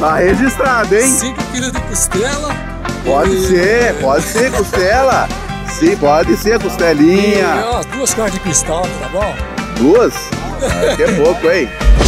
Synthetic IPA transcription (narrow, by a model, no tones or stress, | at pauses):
t̪aheʒist̪ɾad̪ʊẽj̃sĩkɪ̃kiɾid̪ɪkust̪ɛlɐ | pɔd͡ʒɪsepɔd͡ʒɪseɾkust̪ɛlɐ | sĩpɔd͡ʒɪseɾɐkost̪ɛlĩɲɐd̪uɐskaɾd͡ʒɪkĩst̪alɐk̪t̪abõw̃d̪uɐs | kɛpokʊẽj̃